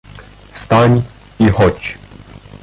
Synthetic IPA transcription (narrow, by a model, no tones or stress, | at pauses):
fst̪aɲ | ixɔt͡ɕ